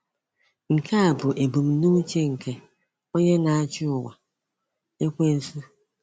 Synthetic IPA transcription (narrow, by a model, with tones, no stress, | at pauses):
ŋ̩˨kʰe˦a˨bʊ˨ʔe˨bu˨m̩˦nu˦t͡ʃe˦ŋ̩˨ke˦ | o˦ɲe˦na˨a˦t͡ʃʊ˦ʊ˨wʷa˨ | e˦kʷe˦n̩˨su˦